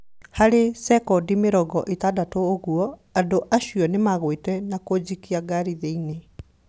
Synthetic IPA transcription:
haɾesɛkɔdimeɾɔɡɔʔetadatoːɣuɔadoʔaɕiɔnemaɣwetɛnakod͡ʑikiaɡaɾiðeine

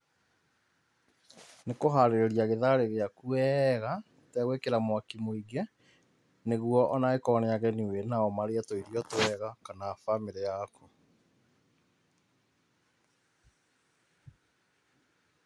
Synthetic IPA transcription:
nekoɦaɾeɾeɾiaɣeðaɾeɣeakuɛɣa | tɛɣwekeɾamwakimoiɡɛ | neɣuɔʔɔnaekɔnɛaɣɛniwenaɔmaɾeatoiɾiɔtoɛɣakanaːfameɾejaku

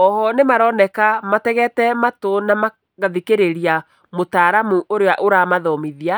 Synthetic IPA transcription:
ɔhɔnemaɾɔnɛkamatɛɣɛtɛmatonama | ɣaðikeɾeɾia | motaɾamuʔoɾewaʔoɾamaðɔmiðia

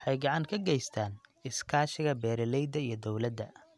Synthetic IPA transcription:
ħɑjɡɑʕɑŋkʰɐɡɛjst̪ʰaːnɪskʰaːʃɪɣɐbɛːɾɛlɛjd̪ɐijɞd̪ɔwlɐd̪ːɐ

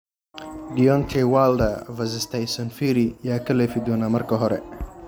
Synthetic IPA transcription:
ɖijɔnt̪ʰɛwaːld̪ɐvɐzɪst̪ʰɐjsɐnfiɾɪjaːkʰɐlɛːfɪd̪ɔːnaːmɐrkʰɐɦɔɾɛ̰

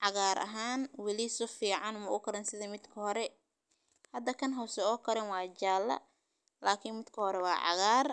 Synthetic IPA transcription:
ʕɑɣaːɾʔɐ̰ɦaːnwɐlɪsɔfiːʕɑnmɐʊkʰɐɾɛnsɪðɐmɪd̪kʰɐɦɔɾɛ | hɐd̪ɐkʰɐnɦɐwsɛɔːkʰɐɾɛnwɑːt͡ʃaːlːɐ̰ | laːkʰɪnmɪd̪kʰɐhɔɾɛwɑːʕɑ̰ɣaːr

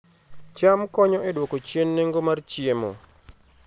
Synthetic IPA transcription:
t͡ʃamkɔɲɔʔɛdwokot͡ʃjenːeŋɡomart͡ʃiemo̰

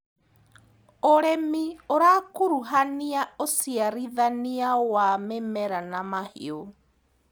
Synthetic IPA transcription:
oɾɛmioɾaːkoɾuɦaniaosiaɾiðaniawamɛmɛɾanamahḭo

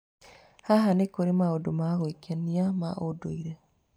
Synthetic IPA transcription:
haɦanekoɾemaodomaɣwekaniama̰ʔodo̰iɾe

